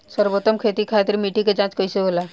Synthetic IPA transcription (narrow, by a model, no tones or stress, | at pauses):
səɾbot̪ːəmkʰet̪ikʰat̪ɾmiʈiked͡ʒãt͡ʃkɔiseɦola